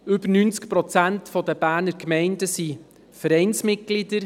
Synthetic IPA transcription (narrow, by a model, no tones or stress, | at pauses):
ʏbəɾnynt͡skpɾɔt͡sæntfɔdəb̥æːɾnəɾkmɛɪndəsi | fəɾɛɪnsmɪt̚ɡ̥lidəɾ